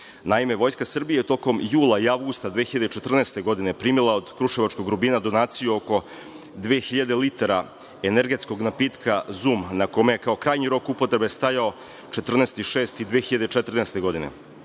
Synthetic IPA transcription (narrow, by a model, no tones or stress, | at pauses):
naime̞ʋo̞jskasr̩bijejet̪o̞ko̞mjuːlˠaiavɡust̪ad̪ʋexiʎad̪et͡ʃet̪r̩neːst̪e̞ɡo̞d̪ine̞pɾiːmilˠao̞d̪kɾuʃeʋat͡ʃko̞ɡɾubiːnad̪o̞naːt̪sijuoko̞ | d̪ʋeːxiʎad̪e̞lit̪aɾa | eneɾɡe̞t̪sko̞ɡnapiːt̪kʰazuːmnako̞mejekao̞kɾaːjɲiɾo̞kupot̪ɾe̞be̞st̪ajao̞ | t͡ʃet̪r̩neːst̪iʃeːst̪id̪ʋeːxiʎad̪et͡ʃet̪r̩neːst̪e̞ɡo̞d̪ine̞̰